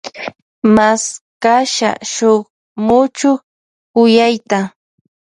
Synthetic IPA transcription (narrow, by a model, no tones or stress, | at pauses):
maskaʃa̰ʃoχ | mʊt͡ʃʊ | kʊjajt̪a